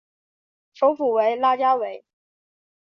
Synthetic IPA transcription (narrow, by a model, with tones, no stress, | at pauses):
ʂo˧˥ʊfu˨˩we˧˥ɪla˥˧t͡ɕja˥we˧˥ɪ